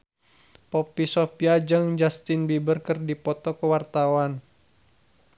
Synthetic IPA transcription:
pɔpisɔpiad͡ʒɨŋd͡ʒast̪inbibərkərdipɔt̪ɔkəwart̪awan

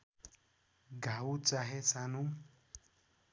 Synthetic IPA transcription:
ɡʱawt͡saɦesanu

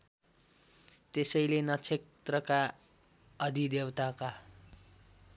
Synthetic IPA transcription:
t̪esʌjlenʌt͡sʰet̪rʌka | ʌd̪ʱid̪ewt̪aka

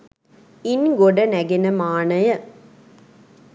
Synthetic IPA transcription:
ɪnɡɔɽɐnɐɡɪnɐmaːnɐjɐ

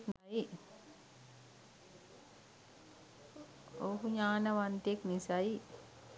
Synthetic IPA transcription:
knaj | oɦuɲaːnəʋant̪eknisaji

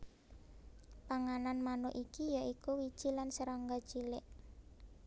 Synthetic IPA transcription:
paŋananmanʊʔikijaʔikuwid̥ʒ̥ilansəɾɔŋɡad̥ʒ̥ilɪʔ

